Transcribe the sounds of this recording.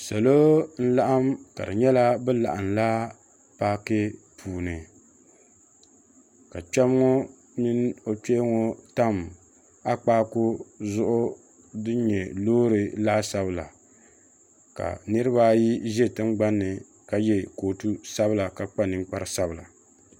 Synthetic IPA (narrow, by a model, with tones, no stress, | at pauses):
sa˨lo˦n̩˦la˦ʔa˦mka̰˨dɨ˨ɲɛ˦la˦bɛ˦la̰˨ʔa˨nla˦ | paː˦kɨ˦pʰuː˨nɨ˨ | ka˨k͡pɛ˦m˦ŋo˦ | nɨ˦no˦k͡pe˦ŋo˦ta˦m | a˦k͡paː˦kʊ˦zʊ˦ʔʊ˦ | dɨ˦ɲɛ˨loː˦ɾɨ˨laː˦sa˦bɨ˨la̰˨ | ka̰˨nɨ˦ɾɨ˦ba˦ji˦ʒɛ˦tɨ˦ŋɡ͡ba˦nːɨ˨ | ka˨jɛ˦koː˨tu˦sa˦bɨ˦la˨ka˨k͡pa˦nɨ˦ŋ˦k͡pa˦ɾɨ˨sa˦bɨ˨la̰˨